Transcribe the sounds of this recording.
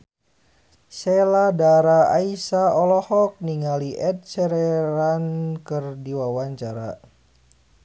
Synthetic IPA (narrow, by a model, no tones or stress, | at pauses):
seladaɾaa̰isaɔlɔhɔk̚niŋaliʔɛt̪̚sɛɾɛɾankɨrdiwawaɲt͡ʃaɾa̰